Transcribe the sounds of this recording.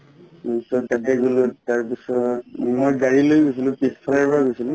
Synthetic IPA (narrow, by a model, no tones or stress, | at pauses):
sɔtatɛɡulutaɹpisɔt̚mojɡaɹilojɡojsilʊ̃peskʰɔnaɹpɔɹaɡojsilʊ̃